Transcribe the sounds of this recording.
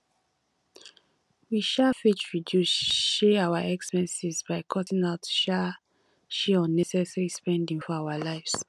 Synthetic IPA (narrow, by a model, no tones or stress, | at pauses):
wiʃafit͡ʃɹidjusʃɛawaʔɛkspɛ̃nsizbaɪkʰɔtĩŋaʊtʃa | ʃeɔ̃nːɛsɛsaɹispɛ̃ndĩŋfɔawalaɪfs